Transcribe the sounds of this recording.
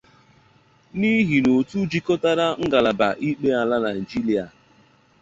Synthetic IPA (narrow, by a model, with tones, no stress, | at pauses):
ni˦ɦi˨no˨tu˦d͡ʒi˦kɔ˦ta˦ɾa˦ŋ̩˦ɡa˨la˨ba̰˨ʔi˦k͡pe˦a˨la˦na˨n̩˨d͡ʒi˦li˨a˨